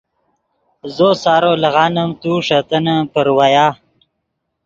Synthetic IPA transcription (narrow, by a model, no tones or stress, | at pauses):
zoːsɑːɾolɐɣɑːnəmt̪uʂat̪ənəpəɾwajaː